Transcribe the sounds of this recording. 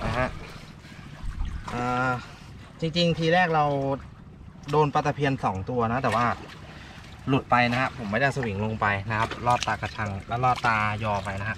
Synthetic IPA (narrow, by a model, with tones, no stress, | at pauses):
ʔa˧˩kʰa˦˥ʔ | ʔaː˨˩ | t͡ɕi˧ŋt͡ɕi˧ŋt̪ʰiː˧ɾɛː˥˩k̚ɾa˧w | doː˧npa˧t̪ʰːa˧pʰi˧ənsɔː˩˦ŋt̪u˧ɐna˦˥t̪ɛː˨˩waː˥˩ | lu˨˩t̪̚pa˧jna˦˥kʰa˦˥ʔpʰo˩˦maː˥˩da˥˩sa˧wi˨˩˦ŋlo˧ŋpa˧jna˦˥kʰa˦˥p̚lɔː˥˩t̪ːaː˧ka˧t͡ɕʰa˧ŋlɛ˦˥˩wlɔː˥˩t̪ːaː˧jɔː˧pa˧jna˦˥kʰa˦˥ʔ